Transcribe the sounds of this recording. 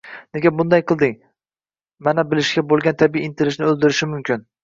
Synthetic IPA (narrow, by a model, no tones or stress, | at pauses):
neɡʲabʊnd̪ajqʰɨlˠd̪ɪŋ | manabɪlɪʃkʲabolˠɡʲant̪ʰabiiːnt̪ʰɪɾɪʃnɪɵlˠd̪ɪɾɪʃɪmʊmkʲɪn